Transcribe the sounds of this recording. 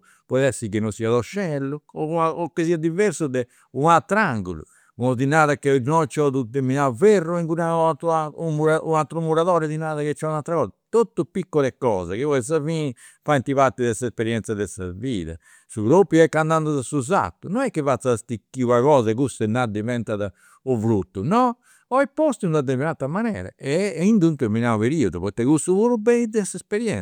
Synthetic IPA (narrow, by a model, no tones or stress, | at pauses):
pɔðɛsikinɔsiːaðɔʃːɛlːuɔaɔkːesiːad̪iveɾsud̪ɛ | unat̪ːɾaŋɡṵlṵ | unɔd̪inaːðakːenɔt͡ʃːɔðud̪emiaverːuiŋkunaat̪amuɾaunalt̪ɾumuɾaðɔːɾɛðinaːðaket͡ʃːɔunalt̪ɾakɔːzat̪ot̪ːupikːɔlɛkɔːzɛkeɔs̬afiːni | faint̪iβaɾt̪ːiðɛsɛspɛɾjɛnt̪saðɛsaviːða̰ | suɡɾopːjuɛkːand̪and̪uðasuza̰t̪ːunɔnɛkːivat̪sːast̪ikːiakɔːzɛkust̪ɛnːad̪ivɛnt̪aða | uvɾut̪ːunɔ | ɔɛpːost̪ind̪ad̪ɛvɛnat̪ːamanɛ̰ːɾa̰ɛind̪unt̪ɛminaupeɾiːɔðuβɔt̪ːɛkust̪uβuɾubɛid̪ɛsɛspeɾjɛn